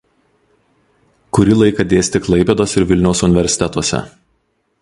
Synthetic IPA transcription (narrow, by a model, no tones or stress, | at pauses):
kʊɾʲɪlˠɐɪkɐd̪ʲeːsʲt̪ʲɪklˠɐɪpʲɛd̪oːsɪɾʋʲɪlʲnʲɛʊsʊnʲɪʋʲɛɾʲsʲɪ̥t̪ʲɛt̪oɔsʲɛ̰